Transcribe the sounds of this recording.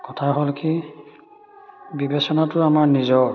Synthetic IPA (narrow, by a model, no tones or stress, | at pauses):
kɔtʰaɦolki | bibesɔnatʊamaɹnizɔ